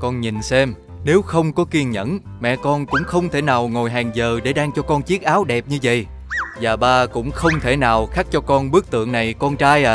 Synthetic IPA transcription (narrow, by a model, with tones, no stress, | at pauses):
kɔ˧nɲi˨˩nsɛ˧m | ne˨˦wxə˧wŋ͡mkɔ˨˦ki˧ənɲə̰˧˥n | mɛ̰˧˨kɔ˧nkʊ̰˧˥ŋ͡mxə˧wŋ͡mt̪ʰe˧˩naː˨˩wŋo˨˩jɦaː˨˩ŋzəː˨˩ɗe˧˩ɗaː˧ŋt͡ɕɔ˧kɔ˧nt͡ɕi˦˥ək̚ʔaː˨˦wɗɛ˨˩p̚ɲɨ˧və̰˧˨j | zaː˨˩ɓaː˧kʊ̰˧˥ŋ͡mxə˧wŋ͡mt̪ʰe˧˩naː˨˩wxaː˦˥k̚t͡ɕɔ˧kɔ˧nɓɨ˦˥ək̚t̪ɨ̰˧˨əŋna˨˩jkɔ˧nt͡ɕaː˧j